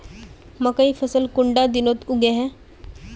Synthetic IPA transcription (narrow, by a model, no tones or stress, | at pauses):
məkaiːfəsəlkuɳɖad̪inot̪uɡɛɦɛ̃